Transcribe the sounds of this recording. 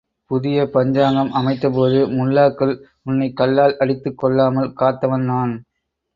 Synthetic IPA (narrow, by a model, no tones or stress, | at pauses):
pʊðɪjɐpɐɲd͡ʒaːŋɡɐmʔɐmɐɪt̪ːɐpoːðɯmʊlːaːkːɐl | ʊnːɐɪkːɐlːaːlʔɐɽɪt̪ːɯkːɔɭːaːmɐlkaːt̪ːɐʋɐnnaːn